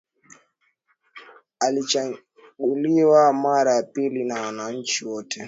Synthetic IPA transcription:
alit͡ʃa | ɡuliwamaɾajapilinawanaɲ̩t͡ʃiwɔtʰɛ

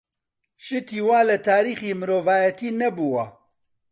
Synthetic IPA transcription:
ʃɨt̪ʰiːwaːlɛt̪ʰaːɾiːxiːmɨɾoːvaːjɛt̪ʰiːnɐbuwɐ

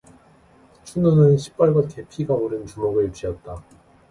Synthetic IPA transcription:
t͡ɕʰunonɯnɕʰi̥p̚p͈aɭɡwate̞pʰiɡaoɾɯnt͡ɕumoɡɯɭt͡ɕijʌt̚t͈a

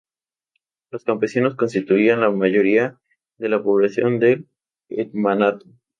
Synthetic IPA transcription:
lo̞skampe̞sino̞sko̞nst̪it̪uianlamaʝo̞ɾia | ðe̞lapo̞β̞lasjo̞nd̪e̞l | et̪manat̪o̥

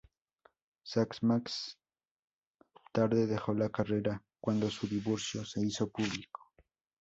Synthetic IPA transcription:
saksmaks | t̪aɾðeðexolakareɾakwand̪osʊd̪iβoɾsjose̞isopuβliko̥

